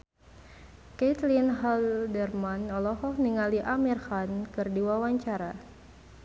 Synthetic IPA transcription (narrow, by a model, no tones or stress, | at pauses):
ket̪linɦaldɛrmanɔlɔɦɔkniŋaliʔamirhankɨrdiwawaɲt͡ʃaɾa